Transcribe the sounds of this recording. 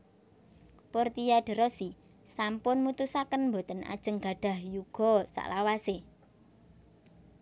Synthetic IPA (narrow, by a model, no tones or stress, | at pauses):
pɔrt̪ijaɖ̥ə̤ɾɔsi | sampʊnmut̪usakənmbo̤t̪əna̰d̥ʒ̥ə̤ŋɡ̥a̤ɖ̥ä̤hjuɡ̥ɔ̤sa̰ʔlawase